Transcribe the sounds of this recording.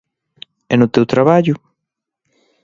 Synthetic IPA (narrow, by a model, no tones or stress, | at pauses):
ɛnʊt̪ewt̪ɾaβaʎʊ